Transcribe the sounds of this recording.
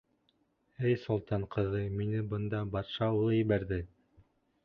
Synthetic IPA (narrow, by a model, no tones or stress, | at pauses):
ɘjsŏlˠt̪ɑɴqʰɤ̆ðɤminɘbɤ̆nd̪ɑbɑɾʃɑulˠɤjɘ̆βæɾðɘ